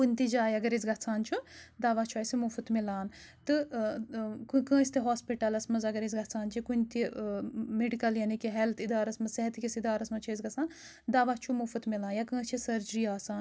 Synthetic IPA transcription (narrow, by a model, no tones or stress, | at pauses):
kunʲt̪id͡ʒaːjɐɡɐɾezɡɐt͡sʰaːnt͡ʃʰud̪aːʋaːt͡ʃʰuɐjsimufut̪milaːn | t̪ɨ | kkə̃ːsʲt̪iɦoːspiʈɐlɐsmɐzɐɡɐɾezʲɡɐt͡sʰaːnt͡ʃʰikunʲt̪i | meɖikɐljɐnikiɦelt̪ʰid̪aːɾɐsmɐzsɐɦɐt̪kʲisid̪aːɾɐsmɐt͡ʃʰuɐzɡɐt͡sʰaːn | d̪aːʋat͡ʃʰumufɨt̪milaːnjakə̃ːst͡ʃʰisɐɾd͡ʒɾiːaːsaːn